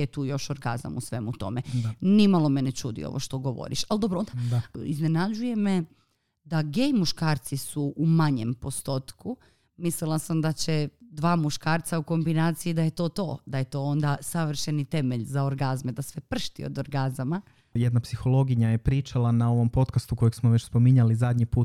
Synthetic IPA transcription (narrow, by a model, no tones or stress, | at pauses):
et̪uːjo̞ʃo̞ɾɡa̰za̰musʋe̞mut̪o̞̰menimalˠo̞menet͡ʃṵːd̪ḭo̰ʋʔo̰ʃt̪o̞ɡo̞ʋo̰ɾḭʃald̪obɾoond̪aiznenad͡ʑuje̞me | d̪aɡejmuʃkaːɾt̪sisuumaɲe̞mpo̞st̪o̞t̪ku | mislilˠasamd̪at͡ɕed̪ʋaːmuʃkaːɾt̪sauko̞mbinaːt̪sijid̪aje̞t̪o̞ːt̪o̞̰ːd̪aje̞t̪o̞ːond̪asaʋr̩ʃenit̪e̞me̞ʎzao̞ɾɡazmed̪asʋe̞pr̩ʃt̪ḭo̰d̪oɾɡazama | jed̪napsixo̞lˠo̞ɡiɲajepɾiːt͡ʃalanao̞ʋo̞mpo̞t̪kast̪uko̞jeɡsmoʋet͡ɕspomiɲalizad̪ɲipuːt̪